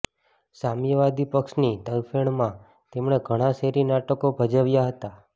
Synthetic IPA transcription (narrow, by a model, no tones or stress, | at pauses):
samjəʋad̪ʱipəkʃnit̪əjfeɳmã | t̪emɳeɡʱəɽ̃ãseɾinaʈəkobʱəd͡ʒəʋjaɦət̪a